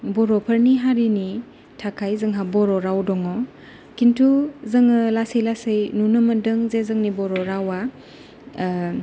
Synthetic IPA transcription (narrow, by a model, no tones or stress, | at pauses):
bɔɾɔpʰəɾniɦaɾini | tʰakʰajzɯŋɦabɔɾɔɾawdɔŋɔ | kintʰuzɯŋɯlasejlasɯjnunɯmɐdɯŋzezɯŋnibɔɾɔɾawa